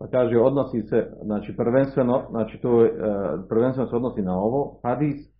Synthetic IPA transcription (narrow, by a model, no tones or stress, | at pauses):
akaʒɛɔd̪nɔsiːsɛnat͡ʃipr̩ʋɛnst̪ʋɛnɔnat͡ʃit̪uɛpr̩ʋɛnst̪ɛnɔsɛɔd̪nɔsiːnaɔʋɔhad̪iːs